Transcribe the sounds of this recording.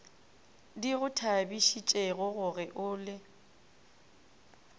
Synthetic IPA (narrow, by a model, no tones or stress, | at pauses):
diɣʊtʰabiʃit͡ʃʼeɣʊɣʊɣɪʔʊːlɪ